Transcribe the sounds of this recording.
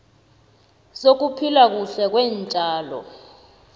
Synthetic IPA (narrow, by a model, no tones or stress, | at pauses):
sok̬upʰilak̬uɬɛk̬wɛːnt͡ʃʼaːlɔ̰